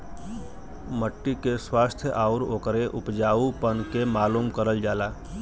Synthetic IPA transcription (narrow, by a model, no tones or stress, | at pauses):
məʈːikeswaːst̪ʰjəʔaːʊɾoːkəɾeʔʊpd͡ʒaːupənkemaːluːmkəɾəld͡ʒaːlaː